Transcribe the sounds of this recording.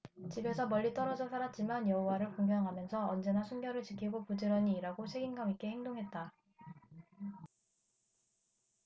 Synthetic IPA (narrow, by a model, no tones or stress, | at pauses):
t͡ɕibe̞sʰʌmʌʎːit͈ʌɾʌd͡ʑʌsʰaɾat̚t͡ɕ͈imanjʌɦowaɾɯɭkoŋɡjʌŋɦamjʌnsʰʌʌnd͡ʑe̞nasʰunɡjʌɾɯɭt͡ɕikʰiɡopud͡ʑiɾʌɲiːɾaɡoɕʰeɡinɡamik͈e̞heŋdoŋɦe̞t̚t͈a